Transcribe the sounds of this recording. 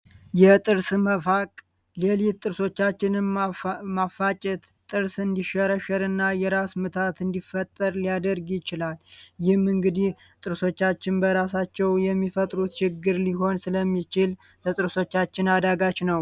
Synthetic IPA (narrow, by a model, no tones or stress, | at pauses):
jɛt̪ʼɨɾsməfakʼ | lelitt̪ʼːɨɾso̞t͡ʃːat͡ʃːɪnɨmmafːat͡ʃʼɛt̪ | t̪ʼːɨɾsɨnd̪iʃəɾəʃəɾɨnːajɛɾasmɨt̪ʰat̪ɨnd̪ifːət̪ʼːəɾlijad̪əɾɡjɪt͡ʃɪlaljɪhmɨŋɡɨd̪ih | t̪ʼɨɾso̞t͡ʃːat͡ʃːɪnbəɾas̬at͡ʃːɛwjɛmːifət̪ʼɾut̪t͡ʃɪɡːɨɾliɦo̞nsɨləmːit͡ʃɪl | lət̪ʼɨɾso̞t͡ʃːat͡ʃːɪnad̪aɡat͡ʃnəw